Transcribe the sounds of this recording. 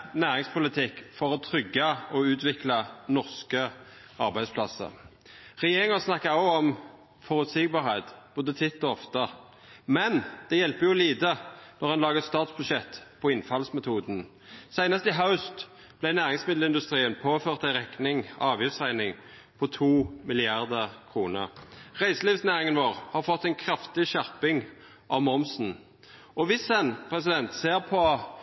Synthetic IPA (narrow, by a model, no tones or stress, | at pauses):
næːʁɪŋspʰʊlɪt̪ʰɪkːfɔʁɔt̪ʰʁʏɡːɑɔʉːt̪ʋɪklɑnɔʁskə | ɑʁbæɪspʰlɑsə̰ | ʁɛjeːʁɪŋɑsnɑkːɑɑʊɔm | fɔʁʉt̪sɪɡ̚bɑːʁhɛɪt̪b̥oːd̪ət̪ʰɪt̪ːɔɔft̪ə | mɛnd̪̥ɛjɛlpəjʊliːd̪ənɔʁhɑnlɑːɡəst̪ɑːt̪sbʉʃɛt̪ːpʰɔɪnfɑlsmɛt̪ʰuːd̪n̩ | sæɪnɑst̪əɪɦaʉst̪ | b̥lɛɪnæːʁɪŋsmɪd̪l̩ɪnd̪ʉst̪ʁiːənpʰoːføːʁt̪æɪʁɛknɪŋɑːʋjɪft̪sæɪnɪŋ | pʰɔt̪ʰuːmɪlɪɑʁd̪əkʰʁuːnə̰ʁʁæɪsəliːʋsnæːʁɪŋənʋoːʁhɑʁfɔt̪ːæɪnkʰɾɑft̪ɪʃæʁpɪŋ | ʔɑʋmɔmsn̩ | ɔʋɪsɛnpʰʁɛsɪd̪ɛnt̪seːʁpʰɔ